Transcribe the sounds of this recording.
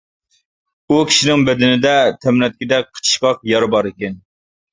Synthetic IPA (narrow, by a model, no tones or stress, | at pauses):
ukʲʰi̥ʃinɪŋbɛd̪ɪnɪd̪ɛt̪ʰɛmnɛt̪̚kʲid̪ɛk̚ʲqʰə̥t͡ʃʰi̥ʃkɑqjɑɾɨbɑɾɪkʲɛn